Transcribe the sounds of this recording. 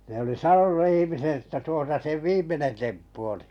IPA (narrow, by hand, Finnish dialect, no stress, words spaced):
ne oli sɑnonu ihimiset etːæ tuosɑ seʋ̆ ʋiːmˑenen tempːu oli